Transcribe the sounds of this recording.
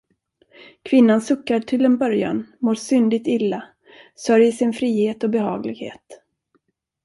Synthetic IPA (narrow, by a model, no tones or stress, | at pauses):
kʰvɪnːansɵkːaʈʰɪld̪ɛnbœɾja̰nmoːɾʂʏnd̪ɪt̪ɪlːa | sœɾjəʂɪnfɾiːheːt̪ɔbɛɦɑ̰ːɡlɪɡhḛːt̪